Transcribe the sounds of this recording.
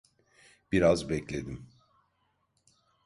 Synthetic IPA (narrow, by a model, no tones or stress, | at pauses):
b̥iɾazbɛclʲe̞d̪im